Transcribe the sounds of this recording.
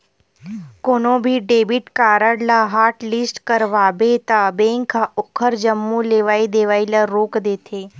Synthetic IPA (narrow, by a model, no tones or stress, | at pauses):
koːnõbʱiɖeːbɪʈkaːɾəɽlaɦaːɾʈlɪsʈkəɾʋaːbet̪abẽːŋkʰːaʔʊkʰːəɾd͡ʒəmːuleːʋaːid̪eːʋaːilaɾoːkd̪eːt̪ʰeː